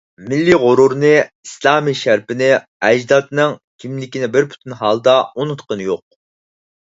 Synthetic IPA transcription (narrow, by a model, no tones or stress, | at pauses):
mɪlːiʁʊɾuɾnɨislˠɑːmiʃæɾpɪnɪ | ɛd͡ʒd̪ɑt̪nɨŋkʲʰimlɪkʲinɪbɪɾpʰy̥t̪ʰynɦɑlˠd̪ɑonut̪qənɨjoq̚